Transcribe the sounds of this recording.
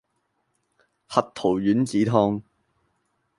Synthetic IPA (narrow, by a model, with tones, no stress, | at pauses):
hɐ˨t̚t̪ʰo˨˩wjyː˨˥nt͡siː˨˥t̪ʰɔː˧˥ŋ